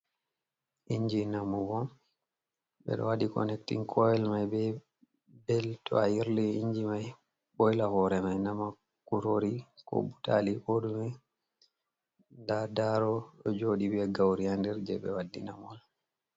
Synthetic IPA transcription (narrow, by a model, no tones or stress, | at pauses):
ʔiɲd͡ʒinamːubɔm | ɓɛ̰ɗɔ̰wadikɔ̰nɛktḭŋkʰɔjɛlmajbɛ | bɛltɔ̰ajiɾliiɲd͡ʒimaj | ɓɔjlahɔɾɛmajnama | kuɾoɾikɔ̰buta̰liʔoɗumɛ | ndadaɾɔɗɔd͡ʒoɗibɛɡawɾiandɛɾd͡ʒɛ̰ɓɛwadːḭnamɔl